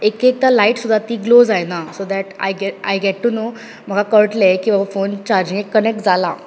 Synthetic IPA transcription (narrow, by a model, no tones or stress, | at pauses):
ekek̚t̪alaiʈsud̪ʱːat̪iːɡlod͡zajnasod̪æʈa̰jɡɛa̰jɡɛʈːuno | m̤əɡʱakəɭʈlekĩw̃ʋafont͡ɕaɾd͡ʑĩŋɡekːənek̚ʈd͡zala